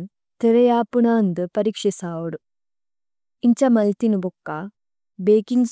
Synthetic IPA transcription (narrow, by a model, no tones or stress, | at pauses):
t̪eɾɐjaːpunaːnd̪ɨpɐɾiːkʂisaːwuɽu | iɲt͡ʃɐmɐlt̪inubɔkːa | beːkiŋɡs